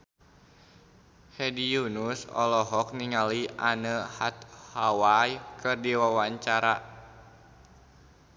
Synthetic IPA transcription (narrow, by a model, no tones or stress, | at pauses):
hɛdijunusɔ̰lɔɦɔk̚niŋaliʔanəhat̪̚hawajkɨrdiwawaɲt͡ʃaɾa